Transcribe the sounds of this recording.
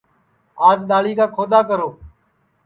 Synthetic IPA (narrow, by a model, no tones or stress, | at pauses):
aːd͡ʒɗ̪aːliːkaːkʰoːd̪aːkəɾoː